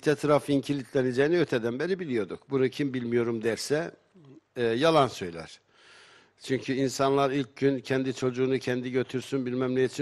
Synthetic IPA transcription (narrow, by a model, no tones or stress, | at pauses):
t̪ʰɛt̪ʰɾafiɲcʰilʲit̪ʰlʲɛned͡ʒɛjiniøɾt̪ʰɛd̪ænbɛɾibilʲijo̞d̪ukbunucʰimbilʲmijo̞ɾumd̪æɾsɛ | jalˠansø̞jlʲæ̰ɾ̥ | t͡ʃʰyɲcʰyinsanlˠaɾilʲc̚ɟyncʰɛnd̪it͡ʃʰo̞d͡ʒuːnucʰɛnd̪iɟø̞t̪ʰyɾsynbilʲmæmlʲɛit͡ʃʰi